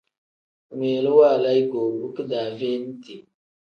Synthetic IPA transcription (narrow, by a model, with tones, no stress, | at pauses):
me˨lə˦wa˦˨la˦jɡo˨bu˦kə˦da˨ve˦n˦ti˨